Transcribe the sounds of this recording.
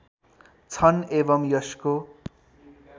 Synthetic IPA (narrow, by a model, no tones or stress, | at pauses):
t͡sʰʌnebʌmjʌsko